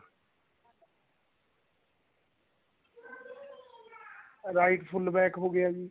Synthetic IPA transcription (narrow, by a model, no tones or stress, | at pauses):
ɾaːɪʈpʰʊlbɛːkɦoːɡɪjaːɡiː